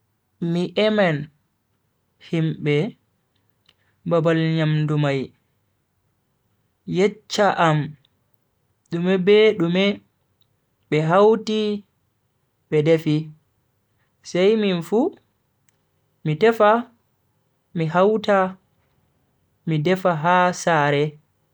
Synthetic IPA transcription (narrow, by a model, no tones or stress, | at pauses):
miʔɛmɛn | himɓɛ | babalɲamdumaj | jɛt͡ʃːaʔam | ɗumɛbɛɗumɛ | ɓɛɦawti | ɓɛdefi | sajminfu | mitɛfa | miɦawta | midɛfaɦasaɾɛ